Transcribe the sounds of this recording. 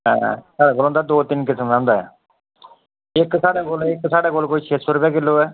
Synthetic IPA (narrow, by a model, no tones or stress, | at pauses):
ɦɛ̰̃ːsaːɽaːɡoːlõnd̪ad̪oːt̪ɪnkɪsəmãːnd̪aːɦɛ̰ | eksaːɽeɡoːlekːsaːɽekoːlkoːit͡ʃʰeːsʊɾbakɪlːoːɛː